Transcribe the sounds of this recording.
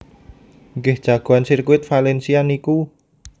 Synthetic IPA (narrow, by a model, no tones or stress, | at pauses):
ŋɡɪhd̥ʒ̥a̤ɡ̥o̤ansirkuɪt̪̚falɛnsianiku